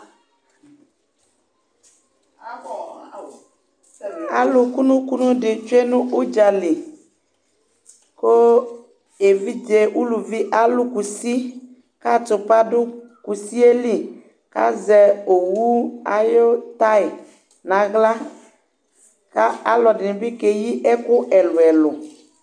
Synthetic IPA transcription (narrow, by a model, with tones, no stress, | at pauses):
a˨lu˨ku˦nũ˦ku˦nũ˦ɖɪ˨t͡ʃo˦e˦nũ˦ʔu˦d͡ʒa˨li˨ | ko˦ | e˨vi˦d͡ʒe˨wu˦lu˨vi˦ʔa˦lu˦ku˨si˦ | ka˦tʊ˨pa˦dʊ˦ku˨si˦e˦li˦ | ka̰˦zɛ˨o˨wu˦a˦jo˦t̪a˦ɪ˨ | nã˨ɣla˦ | ka˦a˦lɔ˨dɪ˨nɪ̃˨bɪ˦ke˨ji˦ʔɛ˦kʊ˦ʔɛ˨lʊ˨ɛ˨lʊ˨